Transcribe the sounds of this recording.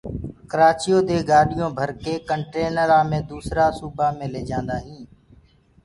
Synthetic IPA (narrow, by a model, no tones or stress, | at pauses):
kəɾaːt͡ʃɪjoːd̪eːɡaːɗɪjõːbʱəɾkeːkəɳʈeːnəɾaːmẽːd̪uːsɾaːsuːbaːmẽːleːd͡ʒãːnd̪aːɦĩː